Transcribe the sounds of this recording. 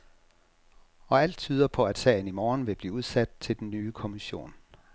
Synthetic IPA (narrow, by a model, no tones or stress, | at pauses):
ɒ̽æl̰d̥̚t͡sʰyːð̞ˠɐpʰɒ̽æd̥sɛ̰ːɪn̩imɒːnʋe̝b̥liːuð̞ˠsæd̥̚t͡sʰe̝ld̥nːyːkʰo̝miɕo̝̰ːn